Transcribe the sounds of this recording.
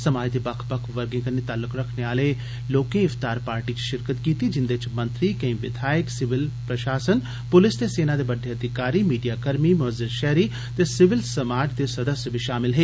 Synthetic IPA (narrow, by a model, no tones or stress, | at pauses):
sɐmaːjd̪ebɐkʰbɐkʰʋɐɾɡɪ̃ŋɡənet̪aːlːʊkɾɐkʰneaːle | loːkẽɪft̪aːɾpaːɾʈiki̥ʃɪɾkət̪kiːt̪id͡ʒɪnd̪et͡ʃmɐ̃nt̪ɾikɐ̃ĩʋɪd̪ʱaːjɪksɪʋɪlpɾɐʃaːsən | pʊlɪst̪eseːnad̪ebɐɖʱeɐd̪ʱɪkaːɾimiːɖijakɐɾmimʊəzːɪɾʃɛɦɾi | t̪esɪʋɪlsɐmaːɾʈd̪esɐd̪əsjəbʱiʃaːmɪlɦeː